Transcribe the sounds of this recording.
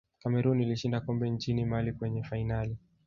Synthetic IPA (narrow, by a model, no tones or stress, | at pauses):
kamɛɾuniliʃindakɔmbɛɲt͡ʃinimalikwɛɲɛfainali